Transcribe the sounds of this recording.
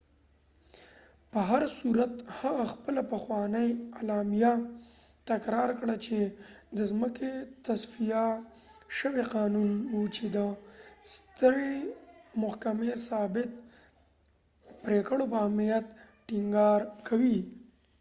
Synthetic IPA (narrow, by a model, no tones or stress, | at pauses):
pəɦaɾsuɾat̪haɣaxpəlapəxwɑnəjalɑmijat̪akɾɑɾkɽat͡ʃed̪əzməket̪asfija | ʃəweqɑnunwut͡ʃed̪əst̪əɾemʊhkamesɑbɪt̪̚ | pɾekəɽopəamijat̪ | ʈɪŋɡɑɾkʰawi